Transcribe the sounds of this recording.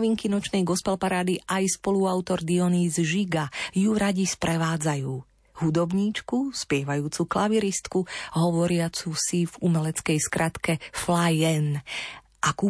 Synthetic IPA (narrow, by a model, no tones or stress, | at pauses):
ʋiŋkinɔt͡ʃnɛjɡɔspɛlpaɾaːd̪iʔajspɔluawt̪ɔɾd̪iɔniːzʒiɡajuɾaɟispɾɛʋaːd͡zajuː | hud̪ɔbɲiːt͡ʃkuspɪɛʋajuːt͡suklaʋiɾist̪kuɦɔʋɔɾɪat͡susivumɛlɛt͡skɛjskɾʔat̪kɛflajɛn | ʔakuː